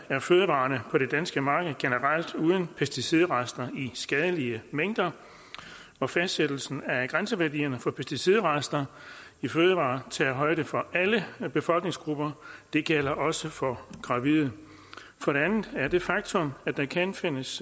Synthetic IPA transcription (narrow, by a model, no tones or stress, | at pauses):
æɐføːð̞ˠəʋɑ̈ːnəpʰɒ̽ɾe̝d̥ænsɡ̥əmɑ̈ːɡ̥ð̞̩ˠɡ̥enəʁɑl̰d̥uːðˠn̩pʰesd̥isiðˠʁɑsd̥ɐisɡ̥ɛð̞ˠəliəmeŋ̰d̥ɐ | ɒ̽fæsd̥sed̥l̩sn̩æɡ̥ʁansəʋæɐdḭːɐnəfɒ̽pʰesd̥isið̞̰ˠʁɑsd̥ɐ | iføːð̞ˠəʋɑ̰̈ːt͡sʰɛɐɦɒ̽ɪɾ̥əfɒ̽ʔæləb̥e̝fɒ̽lɡ̥ne̝ŋsɡ̥ʁub̥ɐd̥e̝ɡ̥el̰ɐʔɒ̽səfɒ̽ɡ̥ʁɑ̈ʋiðˠ | fɒ̽ɾe̝ænð̩ˠæɐd̥e̝fɑ̈ɡ̥̚t͡sʰɔ̽mæ̥d̥ɑkʰænfe̝n̰əs